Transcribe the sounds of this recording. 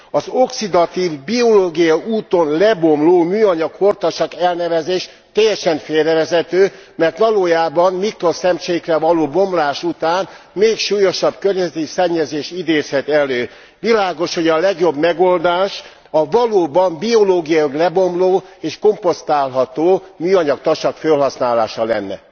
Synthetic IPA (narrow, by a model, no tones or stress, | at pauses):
ɒzo̞ksid̪ɒt̪iːvbio̞loːɡijɒuːt̪o̞nlɛbo̞mloːmyːɒɲɒkho̞rt̪ɒʃɒkɛlnɛvɛzeːʃ | t̪ɛjːɛʃɛɱfeːrɛvɛzɛt̪øːmɛrt̪ʋɒloːjaːbɒmmikrosɛmt͡ʃeːkrɛvɒloːbo̞mlaːʃut̪aːnmeːkʃuːjo̞ʃɒbkørɲɛzɛt̪isɛɲːɛzeːʃid̪eːzhɛt̪ɛløː | ʋilaːɡo̞ʃho̞ɟɒlɛɡjo̞bmɛɡo̞ld̪aːʃ | ɒvɒloːbɒmbio̞loːɡijɒjoɡlɛbomloːeːʃko̞mpo̞st̪aːlɦɒt̪oːmyːɒɲɒkt̪ɒʃɒkfølɦɒsnaːlaːʃɒlɛ̰nːɛ̰